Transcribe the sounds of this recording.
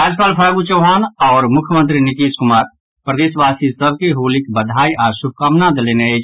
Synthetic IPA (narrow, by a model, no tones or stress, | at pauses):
ɾaːd͡ʒpaːlpʰaːɡut͡ʃəːɦaːnɔːɾmʊkʰjəmə̃nt̪ɾinɪkiːskʊmaːɾ | pɾəd̪eːʃʋaːsisɐb̚kiɦuːlɪkbɐd̪ʱaːiʔaːɾsʊb̚ʱkaːmnad̪leneeːd͡ʒ